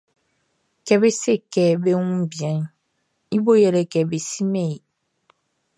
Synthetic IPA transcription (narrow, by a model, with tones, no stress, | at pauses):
kɛ˨be˦se˦kɛ˨be˦ŋũ˦bjɛ̃˨n | i˦bo˦jɛ˨lɛ˨kɛ˨be˨si˦me˦˨i˨